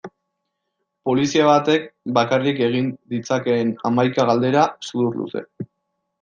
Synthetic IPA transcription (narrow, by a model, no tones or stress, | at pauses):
po̞lisiaβat̪e̞k̚bakarike̞ɣ̞ind̪it͡sake̞ːna̰majkaɣald̪e̞ɾasuðuɾlṵse̞̰